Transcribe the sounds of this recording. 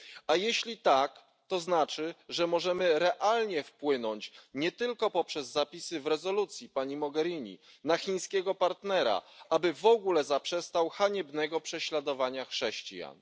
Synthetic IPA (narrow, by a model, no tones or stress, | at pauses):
ajeɕlʲit̪ak | t̪ɔznat͡ʂɘʐɛmɔʐɛmɘɾɛʔalɲɛfpwɘnɔɲt͡ɕɲɛt̪ɘlkɔpɔpʂɛzːapʲisɘvɾɛzɔlut̪sʲjipaɲimɔɡɛɾʲiɲḭ | naxʲĩɲ̃skʲɛɡɔpaɾt̪nɛɾa̰ʔabɘvɔɡulɛzapʂɛst̪awxaɲɛbnɛɡɔpʂɛɕlad̪ɔvaɲaxʂɛɕt͡ɕija̰n